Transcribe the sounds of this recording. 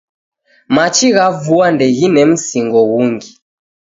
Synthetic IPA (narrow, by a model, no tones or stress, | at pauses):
mat͡ʃiɣavuandɛɣinɛm̩siŋɡɔɣuŋɡi